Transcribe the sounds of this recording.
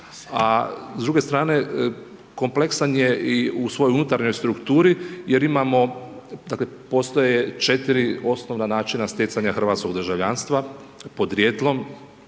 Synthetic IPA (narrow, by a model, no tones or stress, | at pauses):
azd̪ɾuɡe̞st̪ɾaːne̞ | ko̞mple̞ksanjeiusʋo̞jounut̪aɾɲo̞jst̪ɾukt̪uːɾijeɾimamo̞d̪akle̞po̞st̪ojet͡ʃe̞t̪iɾio̞sno̞ʋnanaːt͡ʃinast̪ʲjet̪saɲaxr̩ʋat̪sko̞ɡd̪ər̩ʒaʋʎaːnst̪ʋapo̞d̪ɾjet̪lˠo̞m